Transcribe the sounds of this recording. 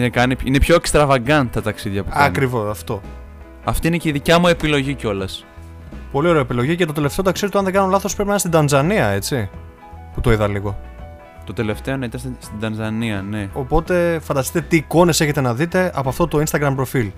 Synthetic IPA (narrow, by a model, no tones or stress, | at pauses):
inekɐnipine̞pço̞ekst̪ɾɐvɐɡɐnt̪ɐt̪ɐksiðʝɐpukɐnkɾivo̞sɐft̪o̞ | ɐft̪iineciðicɐmue̞pilo̞ʝico̞lɐs | po̞lioɾeoepilo̞ʝicet̪o̞t̪e̞le̞ft̪eot̪ɐksizet̪ɐnðeɡɐnolɐθospɾpinɐinst̪id̪ɐnzɐniɐe̞t͡si | put̪o̞iðɐliɣo̞ | t̪o̞t̪e̞le̞ft̪e̞onɐit̪ɐnst̪st̪id̪ɐnzɐniɐneo̞po̞t̪e̞fɐnd̪ɐst̪i̥t̪et̪iːko̞ne̞se̞çe̞t̪enɐðit̪e̞ʔɐpoɐft̪ot̪o̞inst̪ɐɡɾɐmpɾo̞fil